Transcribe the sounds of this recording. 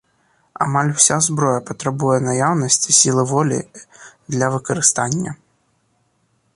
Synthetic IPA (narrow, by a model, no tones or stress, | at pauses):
a̰malʲwsʲazbɾɔjɐpɐt̪ɾabujɛnajawnɐsʲt͡sʲisʲilˠɨvɔlʲḭd̪lʲɐvɨkɐɾɨst̪anʲːɐ̰